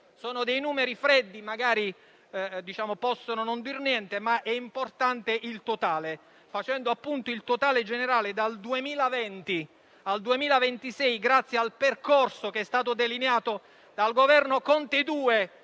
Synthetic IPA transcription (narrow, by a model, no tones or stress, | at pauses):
soːnod̪ɛjnuːmeɾifɾɛd̪ːimaɡaːɾi | d̪it͡ʃaːmopɔsːononond̪irnjɛnt̪emaʔɛimport̪ant̪eʔilt̪ot̪aːle | fat͡ʃɛnd̪oapːunt̪oilt̪ot̪aːled͡ʒeneɾaːled̪ald̪uemiːlavɛnt̪i | ald̪uemiːlavent̪isɛjɡɾat̪sːjealperkorsokeɛst̪aːt̪od̪elineaːt̪o | d̪̥alɡovɛrnokɔnt̪ed̪uːe